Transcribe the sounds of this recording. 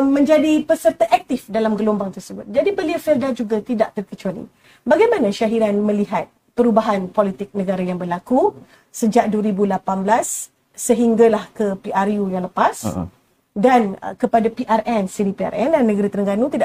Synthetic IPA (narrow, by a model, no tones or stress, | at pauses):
mə̃ɲd͡ʒadipəsərt̪aʔɛk̚t̪ɪfdalamɡəlombaŋt̪ərsəbʊt̪̚d͡ʒadibəliafɛldad͡ʒuɡat̪idaʔ̚t̪ərkət͡ʃalḭ | baɡajmãnãʃaɦiɾanmə̃liɦat̪̚ | pəɾubaɦanpolit̪ɪk̚nə̃ɡaɾajaŋbərlaku | səd͡ʒaʔ̚duəɾibulapanblasː | əɦiŋɡalahkəpiʔarjujaŋləpas | dan̰kəpadapiʔarʔɛnsiɾipia̰rɛndanːə̃ɡəɾit̪əɾəŋɡanut̪ida